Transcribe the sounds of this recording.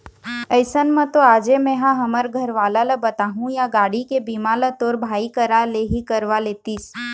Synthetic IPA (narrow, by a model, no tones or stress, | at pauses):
əɪsənmə̃t̪oaːd͡ʒemɛ̃ɦãɦəməɾɡʱəɾʋaːlaləbət̪aːɦũjaɡaːɽikebiːmãlət̪oːɾbʱaːikəɾaleɦikəɾʋaleːt̪iːs